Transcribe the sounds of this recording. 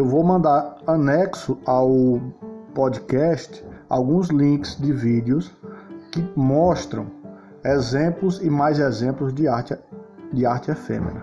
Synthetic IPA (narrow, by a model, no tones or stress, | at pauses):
ewvowmɐ̃nd̪aɾɐnɛksʊaw | pɔd̪ikɛʃt̪ɪ̥a̰wɡũzlĩkɪ̥zd̪ɪvid̪ɪʊskɪmɔʃt̪ɾɐ̰̃w̃ | ezẽplʊzɪmajzɛzẽplʊzd̪ɪa | d̪ɪaɾt͡ʃɪɛfḛ̃mḛnɐ